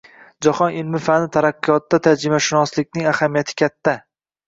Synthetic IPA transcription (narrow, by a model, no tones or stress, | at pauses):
d͡ʒaχɒnɪlmɪfanɪt̪ʰaɾaqːɨjɒt̪ːat̪ʰad͡ʒɪmaʃɪnɒslɪkʲnɪŋahamijat̪ʰɪ̥kʲʰat̪ːa